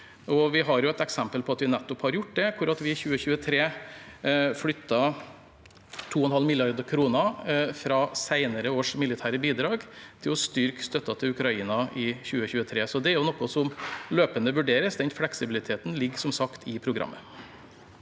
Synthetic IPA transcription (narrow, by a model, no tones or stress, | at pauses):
ɔʋɪɦɑɾjʊɛt̪ɛksɛmpəlpʰɔɑt̪ʋɪnɛt̪ːɔphɑɾjʊʈːd̪ɛkʰʊɾɑt̪ʋɪçʉːəçʉːət̪ʰɾeː | flʏt̪ːɑ | t̪ʰuːɔnhɑlmɪlɪɑɾd̪əkʰɾuːnɑfɾɑːsæɪnəɾəoːʂmɪlɪt̪ʰæːɾəbiːd̪ɾɑːɡt̪ʰɪlɔst̪ʏɾkst̪œt̪ːɑt̪ʰɪlʉkɾɑiːnɑʔɪçʉːəçʉːət̪ʰɾeːsɔd̪ɛæɾjʊnɔkːɔsɔmløːpənd̪əʋʉɖeːɾəsd̪ɛnt̪flɛksɪbɪlɪt̪ʰeːt̪n̩lɪɡːsɔmsɑkt̪ʰɪpʰɾʊɡɾɑ̰mːə